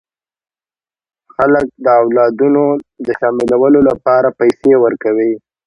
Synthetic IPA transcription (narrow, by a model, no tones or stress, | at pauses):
xalək̚d̪əawlɑd̪unod̪əʃɑmɪlawəlolapɑɾapajsewəɾkawi